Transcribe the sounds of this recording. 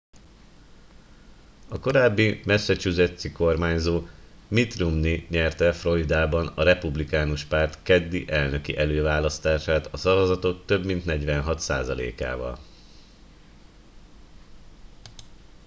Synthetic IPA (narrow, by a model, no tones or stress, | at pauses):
ɒko̞ɾaːbːimɛsːɛt͡ʃyzøt̪siko̞rmaːɲzoːmit̪rumniɲɛrt̪ɛfro̞jd̪aːbɒnɒɾɛpublikaːnuʃpaːrt̪kɛd̪ːiʔɛlnøkiʔɛløːvaːlɒst̪aːʃaːt̪ɒsɒvɒzɒt̪o̞k̚t̪ø̞bmint̪nɛɟʋɛnɦɒt̪sa̰ːzɒlḛːka̰ːvɒ̰l